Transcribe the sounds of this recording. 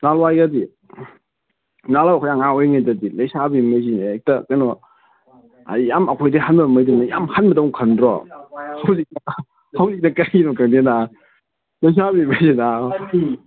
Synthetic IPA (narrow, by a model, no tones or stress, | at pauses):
nalwajɡadi | nalawkʰɔjaŋaojŋadɐdilajsabimazinek̚tɐkajnɔ | a̰jjamɐkʰojdiɦanbɐmajdinaja̰mhanmɐtowŋkʰɐndɾɔ̰hawzik̚nɐ | hawzik̚nɐkajinɔkaŋdena | lɐjs̬abimajzina